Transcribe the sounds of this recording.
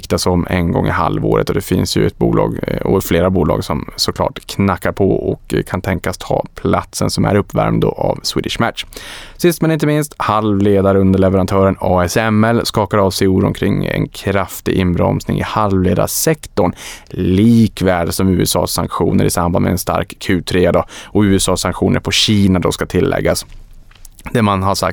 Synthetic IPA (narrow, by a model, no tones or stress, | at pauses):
kt̪asɔmːɛnɡɔŋːɪhalvoːɾət̪ɔd̪ɛfɪnsjɵɛt̪̚buːlɑːɡɔfleːɾabuːlɑːɡsɔmsɔkʰlɑ̰ːʈkʰnakːaɾpʰɔʔɔkkʰːant̪ʰɛŋkast̪ʰɑːpʰlat̪sənsɔmæɾɵpːvæɾmd̪əʔavswiːd̪ɪʂmætʂsɪst̪mɛnɪnt̪̬əmɪnst̪halvleːd̪aɾəɵnd̪əɭɛvɛɾant̪ʰœːɾənɑːɛsɛmɛlskɑːkaɾɑːvsɛjuːɾɔ̰mkʰɾɪŋːɛ̰nkʰɾaft̪ɪʔɪnbɾɔ̰msnɪ̰ŋɪ̰halvleːd̪a̰sɛkt̪ɔɳliːkvæːɖsɔmʉ̟ːɛsɑ̰ːsːaŋkɧṵːnəɾʔɪsambanmɛɛnst̪a̰ɾkkʰːʉ̟ːt̪ʰɾeːad̪ɑɔʉ̟ːɛsɑːsaŋkɧuːnʔə̰ɾpʰɔɕiːnad̪ɔskat̪ʰɪlːʔɛ̰ɡːas | d̪̥ɛmanhasa̰k̚t̪